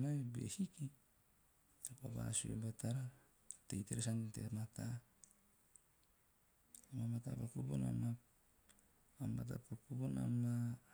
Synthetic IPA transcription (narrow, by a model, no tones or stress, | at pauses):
maebḛhiki | apaba̰suḛbataɾa | tejteɾesantḛɾmata | amamatapakubuna̰ma | amat̬apakubona̰ma